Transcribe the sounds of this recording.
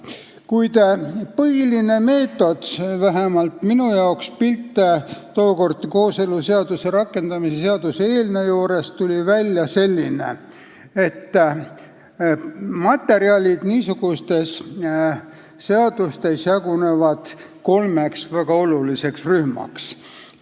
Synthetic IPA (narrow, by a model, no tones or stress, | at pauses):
kujd̪̥pɤɦiline̞me̞ːt̪ːˑo̞d̪̥væɦemɑlt̪minujɑokspilt̪ːˑet̪oːko̞rd̪ko̞ːse̞luse̞ɑd̪̥use̞ɾɑkːe̞nd̪ɑmisese̞ɑd̪̥useeːlnejoːɾe̞st̪ulʲivælʲjɑse̞lʲːinḛ | e̞t̪ː | mɑt̪ːˑe̞ɾiɑlʲid̪̥niːsuɡ̥ust̪e̞s | e̞ɑd̪̥ust̪e̞sjɑɡune̞vɑd̪̥ | ko̞lmeksvæɡ̥ɑo̞lulise̞ksryhmɑ̰ks